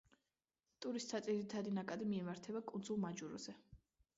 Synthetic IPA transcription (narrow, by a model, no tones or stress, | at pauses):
t̪ʼuɾist̪ʰad̪zʼiɾit̪ʰad̪inakʼad̪imiɛmaɾt̪ʰɛbakʼund̪zulˠmad͡ʒuɾɔ̰z̥ɛ